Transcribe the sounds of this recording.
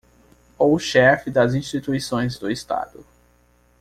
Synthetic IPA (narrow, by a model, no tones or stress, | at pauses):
owʃɛfɪd̪ɐzĩst͡ʃit̪uisõj̃zd̪ʊɪst̪a̰d̪ʊ̰